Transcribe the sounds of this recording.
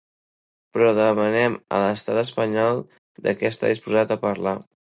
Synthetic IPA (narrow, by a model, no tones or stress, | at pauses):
pɾɔðəmənɛmə̰ləst̪at̪əspəɲɔlˠ | d̪əkɛəst̪a̰ðispuzat̪əpəɾla